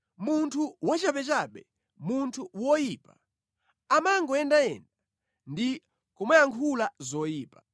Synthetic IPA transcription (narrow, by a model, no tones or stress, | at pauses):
muntʰuwat͡ʃapɛt͡ʃaɓɛ | muntʰuwɔjipa | amaŋɡɔɛndaɛ̰nda | ndi | kɔmwɛjaŋkʰulazɔjiːpa